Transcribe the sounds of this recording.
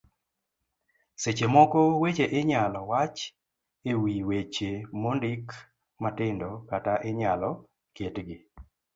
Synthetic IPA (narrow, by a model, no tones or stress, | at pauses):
set͡ʃemɔkɔwet͡ʃeʔɪɲalɔwat͡ʃ | ewiwet͡ʃemondɪk | matɪndɔkataʔɪɲalɔ | kjetɡɪ